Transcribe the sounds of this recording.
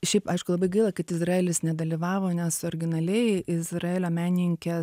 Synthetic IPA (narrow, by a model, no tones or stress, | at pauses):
ʃʲɛɪpɐɪʃkʊlˠɐbɐɪɡɐɪlˠɐkɐt̪ɪzrɐeːlʲɪsnʲɛd̪ɐlʲiʋɑːʋoːnʲɛsoːɾʲɡʲɪnɐlʲɛɪɪzrɐeːlʲoːmʲæːnʲɪŋʲkʲe